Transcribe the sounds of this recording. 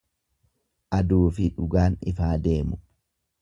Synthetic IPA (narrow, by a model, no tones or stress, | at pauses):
ʔɐd̪uːfɪᶑʊɡaːnɪfaːd̪e̞ːmʊ